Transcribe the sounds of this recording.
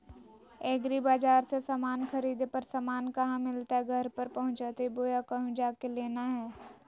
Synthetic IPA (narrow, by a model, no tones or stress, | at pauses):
eːɡɾibaːd͡ʒaːɾsesaːmaːnkʰɐɾiːd̪epɐɾsaːmaːnkɐɦãmɪlt̪aɦɛɡʱɐɾpəɾpɐɦʊ̃nt͡ʃaːt̪eiboːjakɐɦũd͡ʒaːkeleːnaɦɛː